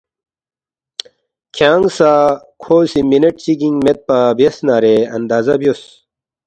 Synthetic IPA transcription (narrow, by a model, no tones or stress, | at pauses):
kʰjaːŋɡsaː | kʰoːsiminɐʈt͡ɕiɡiŋɡmet̪̚pabjɐsnaːɾeɐ̰nd̪aːzɐbjos